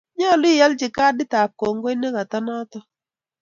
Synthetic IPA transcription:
ɲɔ˦˨li˦˨ja˦lt͡ʃɪ˨ka˦dɪ˦ta˨p̚ko˨ŋɡo˦i˦nɛ˦ka˨ta˦na˦tɔ˦

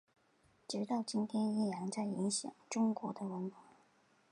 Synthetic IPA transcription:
ʈ͡ʂj̩ɛ˧˥t̪ɑ˥˩ʊt͡ɕi˥nt̪ʰjɛ˥ni˥˩jɑ˧˥ŋt͡sa˥˩ɪi˧˥ŋɕjɑ̰˨˩ŋʈ͡ʂʊ˥ŋkwɔ̰˧˥d̪ə˧wə˧˥nkwa˧˥

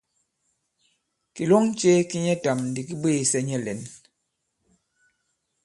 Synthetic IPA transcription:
ki˨lɔ˦ŋ˦t͡ʃe˦ki˦ɲɛ˦ta˨mn̩˨di˨ki˦beː˦˨sɛ˦ɲɛ˦˨lɛ˨n

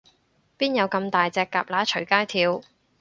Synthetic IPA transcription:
piː˥njɐ˨˧wkɐ˧mt̪aː˨jt͡sɛː˨˧kːaː˨p̚laː˨˥t͡ʃʰɵ˨˩ɥkaː˥jt̪ʰiː˧w

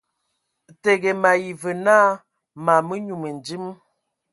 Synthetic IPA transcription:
te˨ɡe˨ma˨ji˨və˨naː˦ | ma˨mə˦ɲu˨mə˨n˨d͡ʒi˦m˦

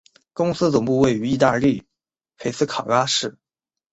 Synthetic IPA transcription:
kʊ˥ŋsɹ̩˥t͡sʊ˨˩ŋpu˥˧we˥˩ɪy˧˥i˥˧t̪a˥˧li˥˩ | pʰe˧˥ɪsɹ̩˥kʰa˨˩ka˥ʂɻ̩˥˩

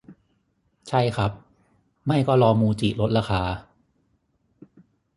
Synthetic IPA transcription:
t͡ɕʰa˥˩jkʰa˦˥p̚ | ma˥˩jkɔː˥˩ɾɔː˧muː˧t͡ɕiː˨˩lo˦˥t̪̚ɾaː˧xaː˧

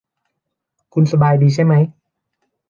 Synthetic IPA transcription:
kʰu˧nsa˧baː˨jdiː˨˧t͡ɕʰa˥˩jma˦˥j

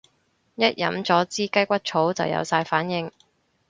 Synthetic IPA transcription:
jɐ˥t̚jɐ̰˨˥mt͡sɔː˨˥t͡siː˥kɐ˥jkʷɐ˥t̚t͡ʃʰo˨˥wt͡sɐ̰˨wjɐ̰˨˧wsaː˧jfaː˨˥njɪ˨˧ŋ

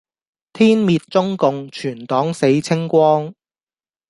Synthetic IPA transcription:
t̪ʰiː˥nmiː˧t̚t͡sʊ˥ŋkʊ˨ŋt͡ʃʰyː˨˩nt̪ɔː˨˥ŋse˨˥jt͡sʰɪ˥ŋkʷɔː˥ŋ

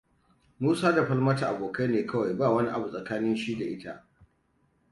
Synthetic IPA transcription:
muː˦saː˦da˨ɸɐ˦lmɐ˦ta˨ʔa˨boː˨ka˦neː˨kɐ˦wa˨jbaː˦˨wɐ˦ni˦ʔa˨bu˨sʼɐ˨kaː˦nɪ˦nʃiː˦da˨ʔɪ˦ta˦ʔ

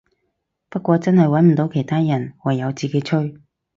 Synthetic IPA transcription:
pɐ˥t̚kʷɔː˧t͡sɐ˥nhɐ˨jwɐ˨˥nm̩˨˩t̪o˨˧wkʰe˨˩jt̪ʰaː˥jɐ˨˩nwɐ˨˩jːɐ˨˧wt͡siː˨˩ke˧˨˥jt͡ʃʰɵ˥ɥ

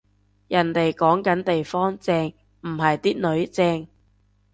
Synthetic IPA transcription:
jɐ˨˩nt̪e˨jkɔː˨˥ŋkɐ˨˥nt̪e˨jfɔː˥ŋt͡sɛː˧ŋ | m̩˨˩ɦɐ˨jt̪iː˥nɵ˨˥ɥt͡sɛː˧ŋ

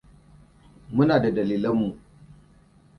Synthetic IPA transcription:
mʊ˦naː˨da˨dɐ˨liː˨lɐ˦mːu˨ʔ

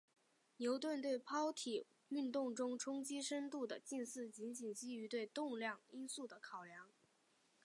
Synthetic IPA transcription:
njo˧˥ʊt̪wə˥˧nt̪we˥˩ɪpʰɑ˥ʊt̪ʰi˨˩ | y˥˧nt̪ʊ˥˩ŋʈ͡ʂʊ˥ŋʈ͡ʂʰʊ˥ŋt͡ɕi˥ʂə˥nt̪u˥˩d̪ə˩t͡ɕi˥˧nsɹ̩˥˩t͡ɕi˧˥nt͡ɕi˨˩nt͡ɕi˥y˧˥t̪we˥˧ɪt̪ʊ˥˧ŋljɑ˥˩ŋi˥nsu˥˩d̪ə˩kʰɑ˨˩ʊljɑ˧˥ŋ

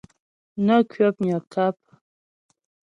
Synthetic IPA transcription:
nə˦kɥə˦p̚ɲə˨ka˦p̚

